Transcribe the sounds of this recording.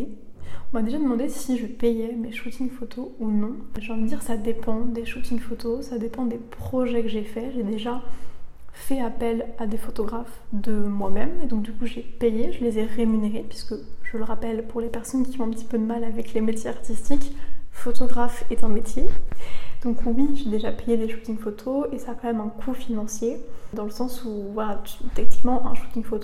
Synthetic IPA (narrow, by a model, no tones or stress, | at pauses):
ɔ̃mad̪eʒad̪əmɑ̃d̪esiʒəpejɛmeʃot̪infot̪ʰounɔ̃ʒeɑ̃vid̪iʁsad̪epɑ̃d̪eʃot̪iɲd̪fot̪osad̪epɑ̃d̪epχɔʒɛkəʒefɛʒed̪eʒa | fɛapɛlad̪efot̪ɔɡʁafd̪əmwamɛmed̪ɔ̃k̚d̪ykuʒepejeʒəlezɛʁemyneʁepɥiskəʒələʁapɛlpuʁlepɛʁsɔnkʲiɔ̃ɛ̃pət̪i̥pød̪əmalavɛklemet̪jeaʁt̪ist̪ikfot̪ɔɡʁafɛt̪ɛ̃met̪je | d̪̥ɔ̃kwiʒed̪eʒapejed̪eʃu̥t̪ĩŋfot̪ʰoesaːkɑ̃mɛmɛ̃kʰufinɑ̃sjed̪ɑ̃ləsɑ̃suvwalat̪ɛk̚nikmɑ̃ʔɛ̃ʃu̥t̪ĩŋfot̪o